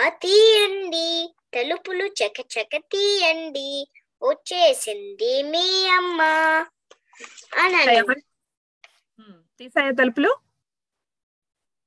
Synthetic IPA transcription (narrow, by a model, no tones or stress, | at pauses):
ɐt̪iːjɐnɖ̪it̪ɐlupulut͡ʃɐkɐt͡ʃɐkɐt̪iːjɐnɖ̪i | ot͡ʃːeːsind̪imiːɐmːɐ | ɐnɐɐmɐ | t̪iːsaːjat̪̬ɐlupulu